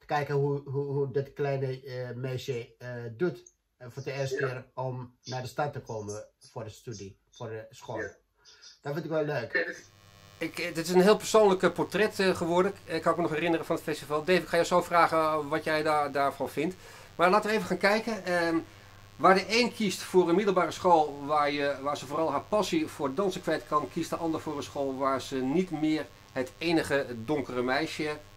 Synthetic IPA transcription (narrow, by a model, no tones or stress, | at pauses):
tə̥kɛjkəɦuɦuɦudɪtklɛjnəmɛjsjədut | fdəɪstɪərɔmnaːdəstatːəkʰoːməfʊdəstydi | fʊrdəsxolˠ | d̥ɔtfɪntɪkʋɛlløːk | ɪkdɪtɪsənɦɪːlˠpəɹsoːnləkpɔɹtrɛtχəʋoːdləkɪkʰːɑnɪkmənɔxɛrɪnərəfɔnətfɛstivɑlˠdeːfɪkxaːjɔwsoːfraːɣəʋɑtjɛjdadaːɹfɔnfɪnt | maːɹlaːtəʋəejvəχaːnkɛjkən | ʋaːɹdəejnkʰistfʊːrənmɪdəlˠbaːrəsχoːlˠʋaːɹjəʋaːɹzəfoːrɑlˠɦaːɹpɑsifʊːɹdədɑnsəkʋɛjtkʰɑnkʰistdəʔɑndəɹfʊːɹənsχoːlˠʋaːɹzənitmɪər | hətejnəχədoŋkərəmɛjʃə